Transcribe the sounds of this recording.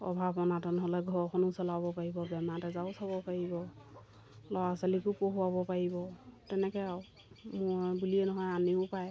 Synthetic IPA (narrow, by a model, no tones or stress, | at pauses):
ɔ̰bʱabɔnatɔnɔɦɔlɛɡʱɔɹkʰɔnusɔlaβɔpaɹibɔbɛmatɛzaʊsabɔpaɹibɔ | lɔwasalikupoɦuabɔpaɹibɔtɛnɛkɛaw | mʊɹbuliɛnɔɦɔjaniʊpaj